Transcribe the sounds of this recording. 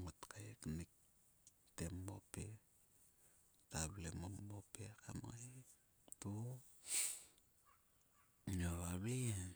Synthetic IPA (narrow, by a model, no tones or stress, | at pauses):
ŋotkʰajeknik̚ | temːope | taβlemomopekamaj | tu | noβaβi